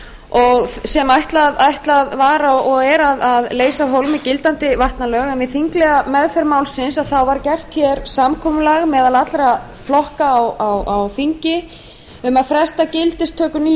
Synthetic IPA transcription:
ɔɣsɛmajht̪laðajht̪laðvaɾawɔɣɛɾaðaðleːjsaɦowlmɪcɪlt̪ant̪ɪvaht̪nalœːɣɛnvɪθiŋklɛɣamɛðfɛɾmaːwlsɪnsaðθawvaɾcɛr̥t̪çɛɾsamkʰɔːmʏlaɣmɛːðalat̪lɾa | flɔhkaːwawawθiɲcɪ | ʏmaðfɾɛst̪acɪlt̪ɪst̪ʰːœːkʏniː

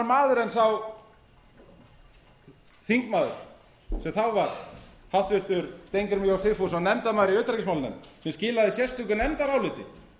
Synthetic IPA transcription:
ɾmaːðʏɾɛnsaw | θiŋkmaːðʏ̰ɾ̥ | sɛmθawvaɾhawht̪vɪr̥t̪ʏɾst̪ejŋkʏɾmjawsθɪfusanɛmt̪amaːðɾiœɥt̪ɾacɪsmawlnɛ̰msɛmscɪːlaðɪsjɛst̪ʏk̬ʏnɛmt̪aɾawlɪːt̪ɪ̰

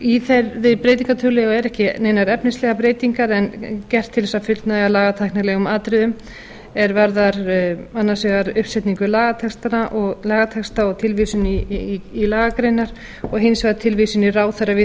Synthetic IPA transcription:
iθɛɾðɪpɾeːjt̪̬iŋkat̪ʰʏlɛɣaɛɾɛhcɪnejnaɾɛpnɪnslɛɣapɾeːjt̪iŋkaɾɛncɛr̥t̪ʰːɪlɛsafʏlt̪naɛɣalaːɣat̪ʰajhknalɛɣʏmaːt̪ɾɪðʏm | ɛɾvaɾðaɾanːasɛɣaɾʏhpsɛt̪niŋkʏlaːɣat̪ʰɛkst̪anaʔɔɣlaːɣat̪ʰɛkst̪aɔt̪ʰɪlvisʏniːlaːɣakɾejnːaɾ̥ | ɔɣɦɪnsɛɣat̪ʰɪlvisʏniraːwθɛrːavɪ

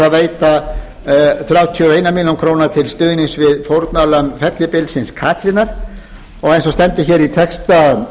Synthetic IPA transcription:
aðveːjt̪a | θɾjaːwt̪ʰiɔeːjnamiljawnkʰɾownaɾt̪ʰɪlst̪ʏːðniŋsvɪðfowɾt̪nalœmfɛt̪lɪpɪlt̪sɪnskʰaːt̪ʰɾɪnaɾ̥ | ɔɣejnsɔst̪ɛnt̪ɪçɛɾit̪ʰɛkst̪a

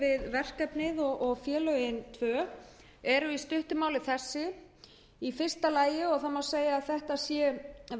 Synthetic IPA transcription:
vɪðvɛr̥kɛpnɪðɔʔɔɣfjɛːlœɥjɪnt̪ʰvœː | ɛɾʏist̪ʏht̪ʏmaːwlɪθɛsːɪ | ifɪr̥st̪alaːjɪɔɣθamawseːjaðθɛht̪asjɛ

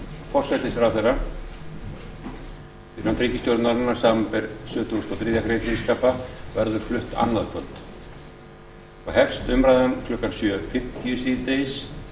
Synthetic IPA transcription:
fɔr̥sɛjt̪ɪsɾawθejrːa | ɪh̪ant̪ɾiːcɪsjowɾt̪naɾɪnːaɾ̥saːmampɛɾsʏːt̪ust̪ɔwθɾiːðjakɾejt̪iskaːpavɛɾðʏɾ̥flʏht̪a̰nlaðkʰœlt̪ | fahɛfst̪ʏmɾajðankʰlœhkansjœːfɪm̥t̪jʏsiðt̪ejs

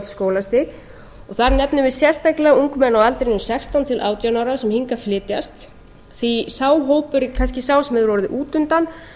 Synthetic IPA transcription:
t̪ɪ̥skoːwlast̪ɪ | ɔɣθaɾnɛpnʏvɪðsjɛr̥st̪ajklɛɣauŋkmɛnːawalt̪ɾɪnʏsɛkst̪ant̪ʰɪlʔa̰ːwt̪janawɾasɛmhiŋkaflɪːt̪jast̪ | θisaːwɦoːwpʏɾikʰanscɪsaːwsɛmɛðɪɾvɔɾʏðɪʔuːt̪ʏnt̪an

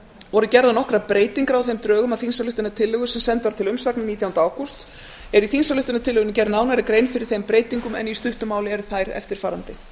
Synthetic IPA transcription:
vɔɾʏcɛɾðanɔhkɾapɾeːjt̪iŋkɾawθejmt̪ɾœːɣʏmaðθinsalʏht̪ʏnat̪ʰɪlːœɣʏsɛmsɛnt̪vaɾ̥t̪ʰɪlʏmsaknaniːt̪jawnt̪aːwkɔst̪ | ɛɾiθinsalʏht̪ʏnat̪ʰɪlʏɣʏncɛɾðnaːwnaɾɪkɾejnfɪɾɪɾ̥θejmpɾeːjt̪iŋkʏmɛ̰nist̪ʏht̪ʏmaːwlɪɛɾθajɾɛ̰ft̪ɪɾ̥faːɾant̪ɪ

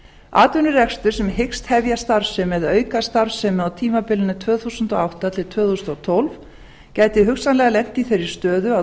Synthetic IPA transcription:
aːt̪ʏnʏrɛkst̪ʏɾ̥sɛmhekst̪hɛvjast̪aɾsʏmɛðœːɥkast̪aɾ̥sɛmawt̪ʰiːmapɪlɪnʏt̪ʰvœːθusʏnt̪ɔawht̪at̪ʰɪlt̪ʰvœːθusnt̪t̪ʰowlv | caːjt̪ɪɦʏksanlɛɣalɛn̥t̪iθejɾɪ̥st̪œːðʏa

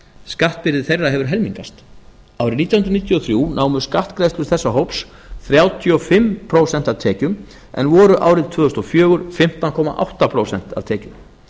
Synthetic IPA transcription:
skaht̪̚pɪɾðɪθejrːaɦɛvʏɾ̥ɦɛlmiŋkast̪ | awɾɪniːt̪jawhʏnɾniːt̪jɔθɾjuːnʔaːwmʏ̥skaht̪kɾejst̪lʏsθɛsːaɦowps | θɾjaːwt̪ʰiɔfɪmpʰɾowsɛnt̪aðt̪ʰɛːcʏm | ʔɛ̰nvɔːɾʏʔa̰ːwɾɪðt̪ʰvœːðʏst̪ɔfjœːɣʏɾ̥fɪm̥t̪ankʰɔːma̰ʔa̰wht̪apʰɾowsɛn̥t̪a̰ðt̪ʰɛːcʏm

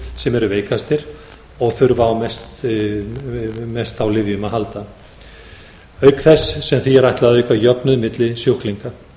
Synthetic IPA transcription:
sɛmɛɾʏveːjkast̪ɪɾ̥ | ɔɣθœɥɾvawmɛst̪ | mɛst̪awlɪvjʏmaɦalt̪a | œːɥkθɛsːɛmθiɛɾajht̪laðœɥkajœpnʏðmɪt̪lɪsjohkliŋka

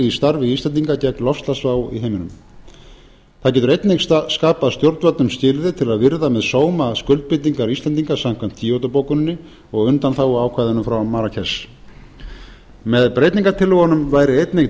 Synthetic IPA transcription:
ist̪aɾvɪiːst̪lɛniŋkacɛknlɔfst̪lasvaːwḭɦeːjmɪnʏm | θaðcɛːt̪ʏɾejt̪nejkskaːpaðst̪jowɾt̪vat̪nʏmscɪlðɪt̪ʰɪlaðvɪɾðamɛðsoːwmaskʏlt̪̚pɪt̪ːiŋkaɾisɛnt̪iŋkḁsam̥kʰvam̥t̪ʰːiowt̪apowkʏnɪnːɪ | ɔɣʏnt̪anθawɔaːwkʰvaːjðʏnʏmfɾawmaːɾacʰɛs | mɛðpɾejt̪niŋkat̪ʰɪlʏɣanʏmvaːjɾɪejt̪ne

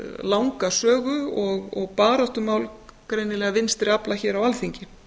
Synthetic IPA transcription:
lawŋkasœːɣʏɔɣɔ̰ɣpaːɾɔht̪ʏmaːwlkɾejnɪlɛːɣavɪnst̪ɾɪaplaçɛːɾawalθiɲcɪ

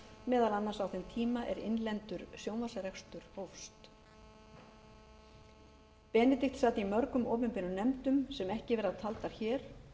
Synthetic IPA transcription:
mɛːðalanːansawθent̪ʰiːmaʔɛɾɪ̰nlɛnt̪ʏɾsjownvasaɾɛxst̪ʏɾ̥howfst̪ | pɛːnɪt̪ɪxt̪saːt̪ɪimœɾkʏmɔːpʏmpɪnʏnɛmt̪ʏmsɛmɛhcɪvɛːɾðat̪ʰalt̪aɾ̥çɛːɾ̥

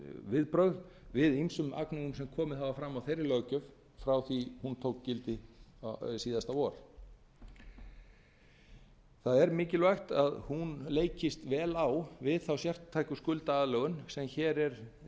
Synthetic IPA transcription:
vɪðpɾœɣðvɪðimsʏma̰knaɣʏms̬ɛmkʰɔːmɪhavafɾamːawθejrːɪlœɣcʏv | fɾawθihunt̪ʰowkcɪlt̪ɪ | siːðast̪aɔɾ | θaðɛɾmɪːcɪlvajxt̪aðhunleːjcɪst̪vɛːlawvɪðθawsjɛr̥t̪ʰːaːjkʏskʏlt̪aaðlœːɣʏnsɛmçɛːɾɛɾ̥

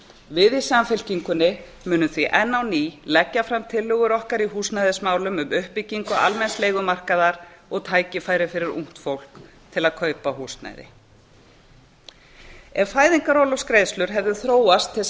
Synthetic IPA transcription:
vɪðisamfɪl̥ciŋkʏnːɪ | mʏːnʏθviʔɛnːawniːlɛcːafɾamt̪ʰɪlːʏɣʏɾɔhkaɾihuːsnajðɪsmaːwlʏmʏmʏhpɪciŋkʏa̰lmɛnst̪lejɣʏmar̥kaðaɾɔɣt̪ʰaːjcɪfaːjɾɪfɪɾɪɾṵŋ̥t̪fowl̥k | t̪ʰɪlaðkʰœːɥpaɦuːsna̰jðɪ̰ | ɛvfaːjðiŋkaɾolɔskɾejslʏɾ̥ɦɛvðʏθɾoːwast̪ʰːɪ

